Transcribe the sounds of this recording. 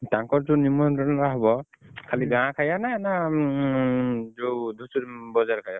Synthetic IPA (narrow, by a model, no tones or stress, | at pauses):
taŋkɔɹtunimɔtɔnɔaɦɔbɔ | kʰaliɡãkʰajanana | zod̪ʱusbɔzaɹkʰaja